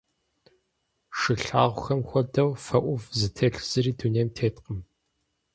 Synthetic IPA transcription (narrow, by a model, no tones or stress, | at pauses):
ʂɨɬaːʁʷʊxɐmxʷɔdɐwfɐʔʷʊvzɨtʰeːɬz̥ɨɾiːduneːmtʰeːtqəm